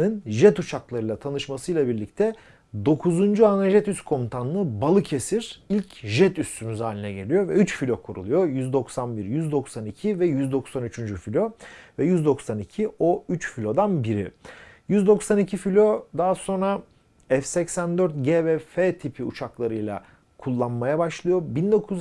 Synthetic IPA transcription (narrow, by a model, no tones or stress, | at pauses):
ɯnʒɛt̪ut͡ʃʰaklˠaɾɯjlˠat̪ʰanɯʃmasɯjlˠabiɾlʲict̪ʰɛ | d̪o̞kʰuzund͡ʒuanaʒɛt̪yskʰo̞mt̪ʰanlˠɯbalˠɯcʰe̞siɾ̥ilʲcʒɛt̪yst̪ʰymyzaːlʲinɛɟe̞lʲijo̞vɛyt͡ʃfilʲo̞kʰuɾṵlˠujo̞jyzd̪o̞ksanbiɾjyzd̪o̞ksanicʰivɛjyzd̪o̞ksanyt͡ʃʰynd͡ʒyfilʲo̞vɛjyzd̪o̞ksanicʰioyt͡ʃfilʲo̞d̪anbiɾḭjyzd̪o̞ksanicʰifilʲo̞d̪aɦaso̞nɾa | ɛfsɛcsænd̪øɾt̪̚ɟevɛfet̪ʰipʰiṵt͡ʃʰaklˠaɾɯjlˠa̰ | kʰulˠːanmajabaʃlˠɯjo̞bind̪o̞kʰuz